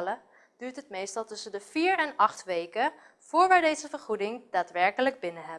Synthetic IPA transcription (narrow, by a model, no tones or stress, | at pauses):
lə | d̥yːɹtɦətmejstɑlˠtɵsəndəv̥iːɹɛnɑχtʋejkə | v̥ʊːɹʋaːɹdejzəvəɹχudɪŋd̥aːtʋɛɹkələɡ̚bɪnəɦɛ